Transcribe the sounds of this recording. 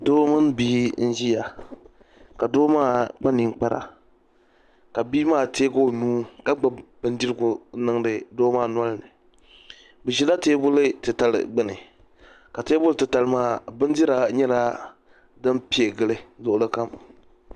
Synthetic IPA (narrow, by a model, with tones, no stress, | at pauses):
doː˦mɨ˦nbiː˦n̩˦ʒi˦ja˨ | ka˨doː˦maː˦˨k͡pa˦ni˨ŋ˦k͡pa˦ɾʔa̰˨ | ka˨biː˦maː˦˨teː˦ɡo˦˨nuː˦ka˦ɡ͡ba˨˦bɨ˦n˦di˦ɾɨ˦ɡʊ˨˦nɨ˦ŋ˦dɨ˨doː˦maː˦˨n˦a˦lnɨ˨ | bɨ˨ʒi˦la˦teː˦bʊ˦lɨ˦tɨ˨ta˨lɨ̰˨ɡ͡bɨ˦nɨ˨ | ka˨teː˦bʊ˦lɨ˦tɨ˨ta˨lɨ˦maː˦˨bɨ˦n˦di˦ɾa˦ɲɛ˦la˦ | dɨ˦mpi˦e˨ɡɨ˦lɨ˨lʊ˦ʔʊ˦lɨ˦ka˦m